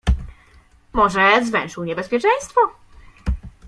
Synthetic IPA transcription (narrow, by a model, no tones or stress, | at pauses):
mɔʐɛzvɛw̃ʂɨwɲɛbɛspʲjɛt͡ʂɛj̃st̪fɔ